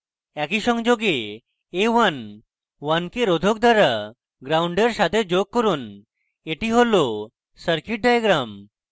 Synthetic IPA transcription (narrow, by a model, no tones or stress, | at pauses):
ɛkiʃɔŋd͡ʒoɡeː | ʋan | wankeɾod̪ʱok̚d̪waɾa | ɡɾauɳɖeɾsat̪ed͡ʑok̚ːɔɾun | eʈiɦolo | səɾkiʈ̚ɖajaɡɾam